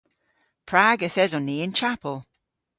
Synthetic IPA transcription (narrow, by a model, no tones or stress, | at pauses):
pʰɹaːɡəθɛzɔnːiːɪnt͡ʃʰapəlˠ